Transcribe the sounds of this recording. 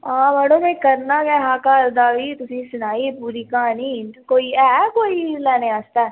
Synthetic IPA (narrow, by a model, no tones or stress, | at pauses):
ãːmɛːnõːmɛ̃ːkəɾnaːkɛːɦãːkaɾd̪aːʋiːt̪ʊsĩːsʊnaːiːpuːɾiːkãːniːkoːiːɛːkoːiːlɛːnẽːaːst̪aː